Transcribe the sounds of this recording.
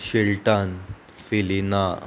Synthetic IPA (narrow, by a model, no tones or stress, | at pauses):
ɕeɭʈan | felina